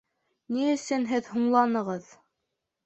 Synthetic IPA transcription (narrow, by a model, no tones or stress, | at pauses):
niɘ̆sɘnɦɘðhuɴlˠɑnɤ̆ʁɤð